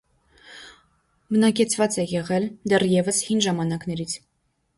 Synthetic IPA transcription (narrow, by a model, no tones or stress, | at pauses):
bənɑkɛt͡sʰvɑt͡sɛjɛʁɛld̪ɛrjɛvəshinʒɑmɑnɑknɛɾit͡sʰ